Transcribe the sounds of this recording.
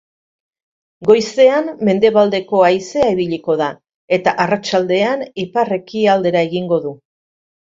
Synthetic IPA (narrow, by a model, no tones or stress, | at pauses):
ɡo̞jse̞amːe̞nd̪e̞βald̪e̞ko̞ajse̞aiβiʎiko̞ða | e̞t̪aʔarat͡ʃald̪e̞anipare̞kiald̪e̞ɾae̞ɣiŋɡo̞ðu